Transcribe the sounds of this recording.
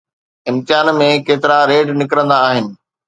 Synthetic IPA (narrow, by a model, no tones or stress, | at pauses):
ɪ̃mt̪ɪɦaːnmẽkeːt̪ɪɾaɾeːɖnɪkɾə̃nd̪aːɦɪnɪ̆